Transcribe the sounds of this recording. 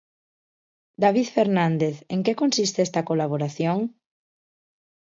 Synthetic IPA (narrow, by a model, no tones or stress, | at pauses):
d̪aβiðfeɾnãnd̪eθeŋkekonsist̪eɛst̪ɐkolaβ̞oɾaθjoŋ